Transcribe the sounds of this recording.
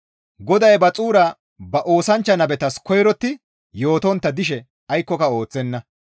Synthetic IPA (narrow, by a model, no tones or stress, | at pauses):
ɡɔd̪ɐjbɐt͡sʼuːɾɐ | bɐʔo̞ːsɐnt͡ʃːɐnɐbɛt̪ɐskɔjɾɔt̪ːɪ | jo̞ːt̪ɔnt̪ːɐd̪ɪʃ̬ɛ | ɐjkːɔkɐo̞ːt͡sːɛnːɐ